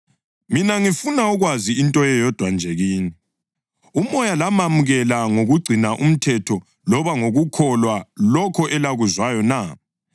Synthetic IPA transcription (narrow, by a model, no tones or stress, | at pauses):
minaŋifunaɔɣwaziintʼɔjɛjɔd̥ʱwand͡ʒʱeɣiːni | umɔjalamamuɣɛlaŋoɣuɡ͡ǀʱinaʔum̩tʰɛtʰɔ | lɔβaŋoɣukʰɔlwalɔkʰɔʔɛlaɣuzwajɔna